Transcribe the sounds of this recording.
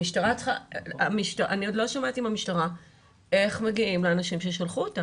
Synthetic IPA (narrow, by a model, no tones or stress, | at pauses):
iʃtaʁat͡sχaamiʃtaʔaniodlo̞ʃamatiimamiʃtaʁa | ʔe̞χmeɡiimleanaʃimʃeʃalχuota